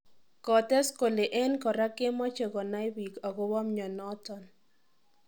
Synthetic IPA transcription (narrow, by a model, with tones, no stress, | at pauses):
kɔ˨tɛ˦sko˨le˨ʔe˦nkɔ˨ɾa˦ke˦mɔ˦t͡ʃe˨kɔ˨na˦ɪ˦wi˨kɔ˨ɡɔ˦wɔ˦mɲɔ˨nɔ˦tɔ˨n